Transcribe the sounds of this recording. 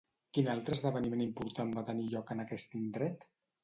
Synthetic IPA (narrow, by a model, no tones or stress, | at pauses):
kinalˠt̪ɾəzðəβənimenimpuɾt̪ambat̪əniʎɔkənakɛst̪ind̪ɾɛt̪